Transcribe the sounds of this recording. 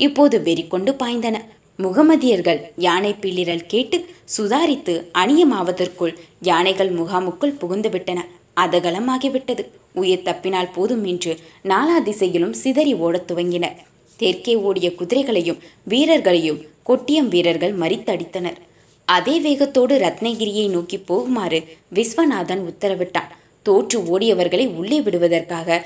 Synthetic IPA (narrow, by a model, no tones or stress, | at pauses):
ɪpːoːðɯʋɛɾɪkːɔɳɖɯpaːjnd̪ɐnɐ | mʊɣɐmɐðɪjɐɾɣɐɭjaːɳɐɪpːɪɭːɪɾɐlkeːʈːɯsʊðaːɾɪt̪ːɯʔɐnɪjɐmaːʋɐðɐrkɯɭjaːnɐɪɣɐɭmʊɣaːmɯkːɯɭpʊɣɪnd̪ɯʋɪʈːɐnɐ | ʔɐðɐɣɐɭɐmaːɣɪʋɪʈːɐðɯ | ʊjɐɾt̪ɐpːɪnaːlpoːðɯmɛndrɯnaːlaːd̪ɪsɐjɪlɯmsɪðɐɾioːɽɐt̪ːʊʋɐŋɡɪnɐɾ | t̪eɾkeːoːɽɪjɐkʊðɪɾɐɪɣɐɭɐjɯmʋiːɾɐɾɣɐɭɐjɯmkɔʈːɪjɐmʋiːɾɐɾɣɐɭmɐɾɪt̪ːɐɽɪt̪ːɐnɐɾ | ɐðeːʋeːɣɐt̪ːoːɽɯɾɐt̪nɐɪɣɪɾɪjɐɪnoːkipːoːɣɯmaːɾɯʋɪsʋɐnaːðɐnʊt̪ːɐɾɐʋɪʈːa̰ːn | t̪oːʈrɯoːɽɪjɐʋɐɾɣɐɭɐɪʊɭːeːʋɪɽɯʋɐðɐrkaːɣɐ